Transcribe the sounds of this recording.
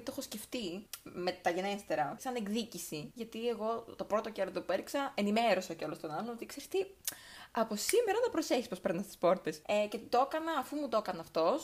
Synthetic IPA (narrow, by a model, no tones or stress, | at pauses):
t̪o̞xosce̞ft̪ime̞t̪ɐʝe̞nest̪e̞ɾɐsɐneŋɡðicisiʝɐt̪ieɣo̞t̪o̞pɾo̞t̪oceɾot̪opueɾiksɐenime̞ɾo̞sɐceolost̪onɐlonot̪ikseɾt̪i | ɐpo̞simeɾɐnɐpɾo̞seçispospeɾnɐst̪ispo̞ɾt̪e̞secet̪it̪o̞kɐnɐːfumut̪o̞kɐnɐːft̪o̞s